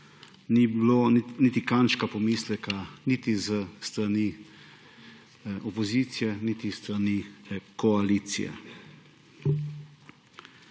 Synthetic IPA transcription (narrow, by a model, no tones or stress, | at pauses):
nibilonnit̪ikanʃkapɔmiːslɛkanit̪izəst̪ɾani | ɔpɔziːt̪sijɛnit̪ist̪ɾanikɔaliːt̪sḭjɛ̰